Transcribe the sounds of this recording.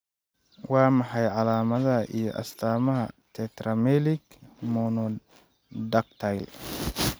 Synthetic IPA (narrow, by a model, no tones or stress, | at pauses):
wɑːmɑħɑjʕɑlaːmɐðɐʔijɔ̰ʔɐ̰st̪ʰaːmɐɦɐ̰t̪ʰɛt̪rɐmɛlɪɡ | mɔnɔ | dɐkt̪ʰajl